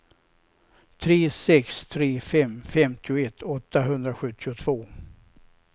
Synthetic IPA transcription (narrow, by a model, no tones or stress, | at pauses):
t̪ʰɾeːsɛkst̪ʰɾeːfɛmːfɛmt̪ɪʊɛt̪ʰːɔt̪ːaɦɵnd̪ɾaɧɵt̪ːɪʊt̪ʰv̥oː